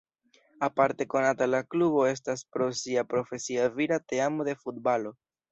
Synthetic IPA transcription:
apaɾte̞ko̞natalaklubo̞e̞s̬taspɾo̞siapɾo̞fe̞siaviɾate̞amode̞fut̚balo̞

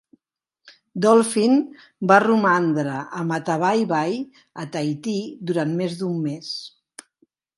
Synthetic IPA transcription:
d̪ɔlˠfin | barumand̪ɾəʔəmət̪əβ̞ajβaj | ət̪ajt̪id̪uɾanmezd̪umːes

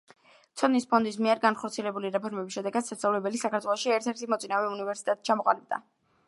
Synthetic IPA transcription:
t̪sʰɔd̪nispʰɔnd̪is̬miɛɾɡanχɔɾt̪sʰiɛlɛbuliɾɛpʰɔɾmɛbisʃɛd̪ɛɡad̪sast̪avlɛbɛlisakʰaɾt̪ʰwɛlˠɔʃiɛɾt̪ʰɛɾt̪ʰimɔt̪sʼinavɛunivɛɾsi̥t̪ʼɛt̪ʼt͡ʃʰamɔqʼa̰lib̚d̪a̰

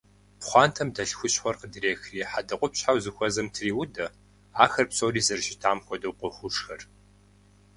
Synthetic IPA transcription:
pχʷɑːntʰɐmdɐɬxʷʊɕħʷɔrqədiɾeːxriːħadɐqʷʼʊpɕħawzɨxʷɐzɐmtʰriːwʊdɐ | aːxɐrpsʼoːriːzɨrʒɪtʰaːmxʷɔdɐwqʷɔxʷʊʂxɐr

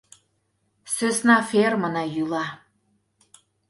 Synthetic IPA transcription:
søsnɑfermənɑjylɑ

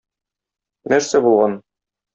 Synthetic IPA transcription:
næɾsæbulˠʁɑn

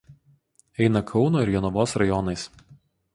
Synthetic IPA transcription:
ɛɪnɐkʰɒʊnoːɪɾjɛnʊʋoːsɾɐjɔnɐɪs

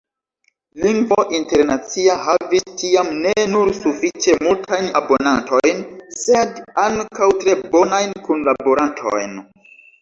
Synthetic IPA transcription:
liŋɡvo̞ʔinte̞ɾnat͡siahavistiamne̞nuɾsufit͡ʃe̞multʰajna̰bo̞nanto̞jnse̞daŋkawtɾe̞bo̞najnkunlabo̞ɾantʰo̞̰jn

